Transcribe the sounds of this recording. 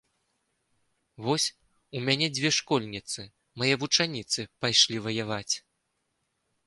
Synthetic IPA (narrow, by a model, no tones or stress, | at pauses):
vɔsʲ | umʲanʲɛd͡zʲvʲɛʂkɔlʲnʲit̪sɨ | majɛvut͡ʂanʲit̪sɨpajʂlʲivɐjavat͡sʲ